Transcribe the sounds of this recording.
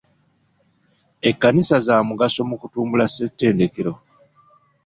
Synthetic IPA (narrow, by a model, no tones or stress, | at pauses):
e̞kːanisazaːmuɡaso̞mukutuːmbulase̞tːe̞ːnde̞keɾo̞